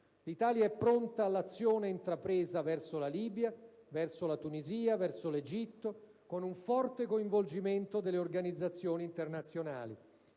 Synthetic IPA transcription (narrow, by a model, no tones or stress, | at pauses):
lit̪aːljaɛpːɾont̪aːlːat̪sːjoːneint̪ɾapɾeːzavɛrsolaliːbjavɛrsolat̪uniziːavɛrsoled͡ʒit̪ːo | konuɱfɔrt̪ekoiɱvold͡ʒiment̪od̪elːeorɡanid̪zːat̪sːjoːniːnt̪ernat̪sːjona̰ːlḭ